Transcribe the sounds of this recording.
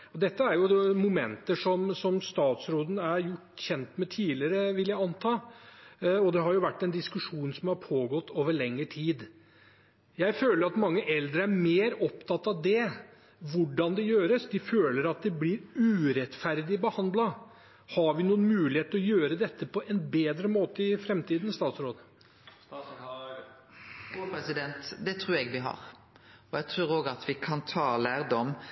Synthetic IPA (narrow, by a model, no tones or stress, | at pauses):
ɔd̪ɛt̪ːəæɾjʊmʊmɛ̰nt̪əʂɔmsɔmst̪ɑːt̪sɾoːd̪n̩æɾjʊʈːçɛnt̪mɛt̪ʰiːlɪəɾəʋɪljæɪɑnt̪ʰɑː | ɔd̪ɛɦɑɾjʊʋæʈːɛnd̪ɪskʉʂuːnsɔmhɑɾpʰoːɡɔt̪ːoːʋəɭɛŋːəʈʰiːd̪ | jæɪføːləɾɑt̪mɑŋːəʔɛld̪ɾəæɾmeːɾɔpt̪ʰɑt̪ːɑʋd̪ɛ | ʋʊɖɑnd̪ɛjøːɾəsd̪ɪføːləɾɑt̪̚d̪ɛblɪɾʉːɾɛt̪fæɾd̪ɪbəhɑnd̪lɑ | hɑɾʋɪnuːənmʉːlɪheːt̪ɾɔjøːɾəd̪ɛt̪ːəpʰɔʔɛnbeːd̪ɾəmoːt̪əɪfɾɛmt̪iːd̪ən̩st̪ɑːt̪sɾoːd̪ | pɛsɪd̪ɛnt̪d̪ɛt̪ʰɾʉːɾɛɡʋɪɦɑ̰ɾ | ɔjɛɡt̪ʰɾʉːʁoːɡɑt̪ʰʋɪkʰɑnt̪ʰɑːlæːʁd̪ɔm